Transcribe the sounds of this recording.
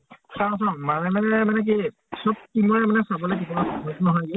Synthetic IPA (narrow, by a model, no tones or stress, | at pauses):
saʊ̃sãmanɛmanɛmanɛk̬i | sɔb̚kimɔɹɛmanɛsabɔlojk̬ibɔasɔbɔtnɔɦɔjɡɛ